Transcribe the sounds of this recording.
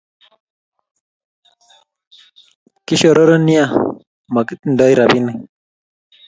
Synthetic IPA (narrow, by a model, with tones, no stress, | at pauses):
kiɕo˨ɾo˦ɾoni˦ja | ma˨ki˦t̪n̩d̪ɔ˦jɾabini˨